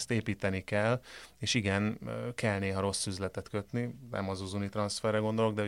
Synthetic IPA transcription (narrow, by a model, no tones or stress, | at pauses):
st̪eːpiːt̪ɛnikɛlːeːʃiɡɛnkɛlneːɦɒɾo̞sːyzlɛt̪ɛt̪kø̞t̪ninɛ̰mɒzuzunit̪rɒnsfɛrːɛɡo̞nd̪o̞loɡd̪ɛ